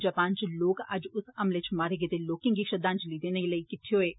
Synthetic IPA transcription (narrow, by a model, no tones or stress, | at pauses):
d͡ʒaːpaːnt͡ʃloːɡa̰d͡ʒʊsɐmlet͡ʃʰmaːɾeɡet̪eloːkɪ̃ŋɡiʃɐd̪aːnt͡ʃliːd̪enɐilɐikɪt̪ʰːioeː